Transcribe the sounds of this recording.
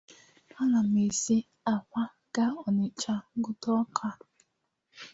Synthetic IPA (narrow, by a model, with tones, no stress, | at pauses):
a˦na˨m̩e˨se˦ | a˨kʷa˦ | ɡ̥a˦ɔ˨nɪ˨t͡ʃa˦ɡʊ˦tɔ˦ɔ˦kʰa˦